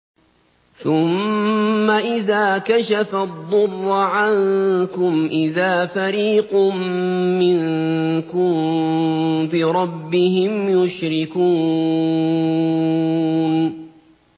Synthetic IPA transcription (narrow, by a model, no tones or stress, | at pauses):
θʊmː | aʔɪðaːkaʃafad̪ˤːʊrːʕankʊmʔɪðaːfaɾiːqʊmːɪnkʊm | bɪɾˤɑbːɪhɪmjʊʃɾɪkuː | n